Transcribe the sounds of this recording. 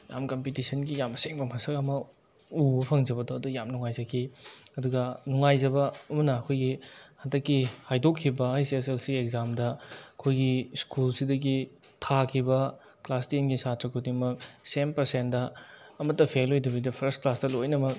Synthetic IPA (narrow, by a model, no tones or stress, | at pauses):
ja̰mkɐmpitisɐnɡijamseŋbɐmɐsɐkɐmɐ | ubɐpʰɐŋd͡ʒɐbɐdoɐdujamnuŋajzɐkʰiɐduɡɐnuŋajzɐbɐɐmɐnɐːkʰojɡihɐdɐkːihajdokʰːibɐajseselsiekzamdɐɐkʰojɡiskulsidɐɡi | tʰakʰibɐ | klasdinɡisatɾɐkʰudimɐk̚senpɐɾsentdɐːmɐtːɐpʰelojdɐbɐdɐpʰɾɐstklasdɐlojnɐmɐk̚